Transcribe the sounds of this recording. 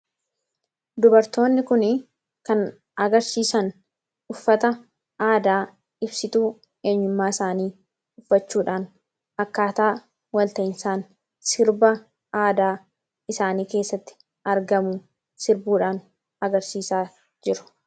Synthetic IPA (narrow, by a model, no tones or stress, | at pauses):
d̪ʊbɐɾt̪o̞ːnːɪkʊn | kɐn | ɐɡɐɾsiːsɐn | ʊfːɐt̪ɐ | ʔaːd̪aː | ɪbsɪt̪uː | e̞ːɲːʊmːaːɪsaːniː | ʊfːɐt͡ʃːuːᶑaːn | ɐkːaːt̪aː | wɐlt̪ɐʔɪnsaːn | sɪɾbɐ | ʔaːd̪aː | ɪsaːniːke̞ːsːɐt̪ːɪ̥ | ɐɾɡɐmʊ | sɪɾbuːᶑaːn | ɐɡɐɾsiːsaː | d͡ʒɪɾʊ̥